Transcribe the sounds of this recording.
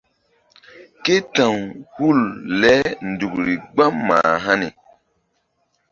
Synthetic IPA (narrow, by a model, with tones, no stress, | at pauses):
ke˦tã˨ŋhu˦˨llɛ˦n˨du˨kɾi˨ɡ͡ba˦mːa̰ː˨ɦa˦nḭ˨